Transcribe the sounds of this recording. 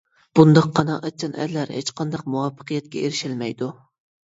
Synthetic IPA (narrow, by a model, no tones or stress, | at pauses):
b̥und̪ɑqʰːɑnɑʔɛt͡ʃʰɑnɛ̰ɾlæɾhet͡ʃqʰɑnd̪ɑq̚muwɑfːə̥qʰɨjɛt̪̚kʲɛeɾɪʃɪlmɛjd̪u